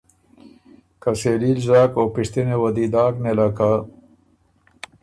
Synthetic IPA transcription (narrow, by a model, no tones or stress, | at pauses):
kaselilzaːkopiʂt̪inewɐd̪id̪aːknelaka